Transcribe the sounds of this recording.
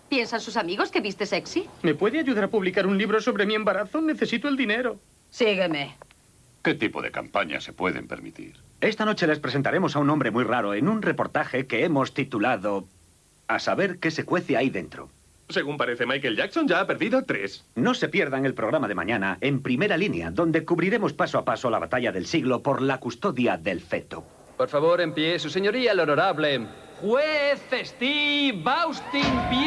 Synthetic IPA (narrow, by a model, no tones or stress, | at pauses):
pje̞nsansusamiɣo̞ske̞βist̪e̞seksime̞pwe̞ðeaʝuðaɾapuβlikaɾunliβɾo̞so̞βɾemie̞mbaɾaθone̞θe̞sit̪oe̞ld̪ine̞ɾo | siɣeme̞ | ke̞t̪ipo̞̰ðe̞̰ka̰mpaɲa̰se̞pwe̞̰ðḛmpḛɾmit̪ḭɾ | e̞st̪ano̞t͡ʃe̞le̞spɾese̞nt̪aɾe̞mo̞saunombɾe̞mujraɾo̞e̞nunre̞po̞ɾt̪axe̞ke̞e̞mo̞st̪it̪ulaðo | asaβe̞ɾke̞se̞kwe̞θeajðe̞̰nt̪ɾo̞̰ | se̞ɣumpaɾeθemajkelʝakso̞nd͡ʒaapeɾðiðot̪ɾḛsno̞se̞pje̞ɾðaŋe̞lpɾoɣɾamað̞e̞mã̰ɲãnaʔe̞mpɾime̞ɾalinja̰ðõ̞nd̪e̞kuβɾiɾe̞mo̞spasoapasoalaβat̪aʎaðe̞lsiɣlo̞po̞ɾlakust̪o̞ðjaðe̞lfe̞t̪o̰ | poɾfaβo̞ɾe̞mpjesuseɲoɾialonoɾaβle | xweθest̪iβawst̪imp